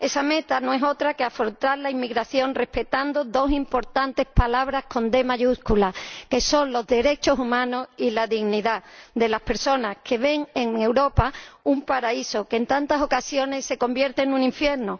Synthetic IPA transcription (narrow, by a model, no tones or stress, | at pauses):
e̞same̞t̪anõe̞so̞t̪ɾake̞afɾont̪aɾlaimːiɣɾaθjo̞nre̞hpe̞t̪and̪oðo̞simpo̞ɾt̪ant̪e̞hpalaβ̞ɾahko̞nd̪e̞maʝuskulake̞so̞nlo̞zðe̞ɾe̞t͡ʃo̞sumãno̞silaðiɣniðaðe̞lahpe̞ɾso̞nahkʰe̞βe̞ŋeŋe̞wɾo̞paumpaɾaiso̞kent̪ant̪aso̞kasjo̞ne̞sːe̞ko̞mbje̞ɾt̪e̞nũŋĩɱfje̞ɾno